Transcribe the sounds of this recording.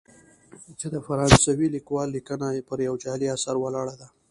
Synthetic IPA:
t͡ʃed̪əfaɾɑnsawilikwɑlːikənapəɾjawd͡ʒɑliasaɾwalɑɽad̪a

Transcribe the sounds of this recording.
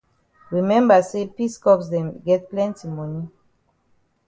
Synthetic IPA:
ɹimɛ̃mbasepiskɔksdɛ̃mɡɛt̚plɛ̃ntimɔni

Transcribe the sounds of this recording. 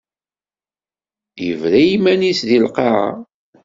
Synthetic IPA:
jəvɾæjimænisðilqeʁɑ̰

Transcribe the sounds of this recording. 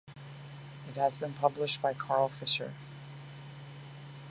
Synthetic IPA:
ɨt̚həzbɨ̃npʰʌblɪʃt̚b̥aɪkʰɑɹlˠfɪʃə̰˞

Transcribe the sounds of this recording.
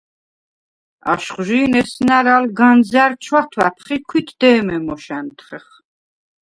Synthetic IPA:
a̰ʃχʒiːnɛsnaɾalɡanzaɾt͡ʃʰwat̪ʰwæpʰχikʰwit̪ʰd̪̥ɛːmɛmɔʃɛnt̪ʰχɛχ

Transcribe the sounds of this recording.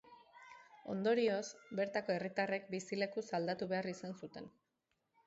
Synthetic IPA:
o̞nd̪o̞ɾio̞sbe̞ɾt̪ako̞e̞rit̪are̞k̚bisile̞kusald̪at̪uβe̞arisansut̪e̞n

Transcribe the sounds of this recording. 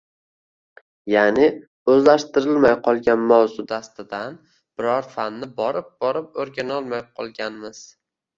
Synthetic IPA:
janɪ | ɵzlaʃt̪ɪɾɪlmajqʰɒlˠɡʲanmawzʊd̪ast̪ɪd̪an | b̥ɪɾɒɾfanːɪbɒɾɪp̚b̥ɒɾɪp̚oɾɡʲanɒlˠmajqʰɒlˠɡʲanmɪz̥

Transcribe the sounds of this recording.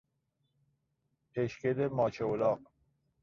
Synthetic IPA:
pʰeʃked̪emɒːt͡ʃʰeolɒːq

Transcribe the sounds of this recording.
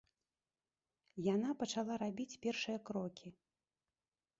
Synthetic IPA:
jan̪apɐt͡ʂalˠaɾabʲit͡sʲpʲɛrʂɨjɐkɾɔkʲi

